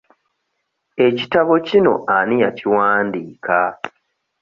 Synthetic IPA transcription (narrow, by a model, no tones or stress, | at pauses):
e̞citaβo̞cino̞̰ʔanijaciwaːndiːka